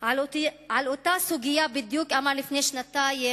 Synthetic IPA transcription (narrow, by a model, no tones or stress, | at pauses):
ʕalot̪ʕalot̪asuɡijabid̪jukamaʁlifneʃnat̪aje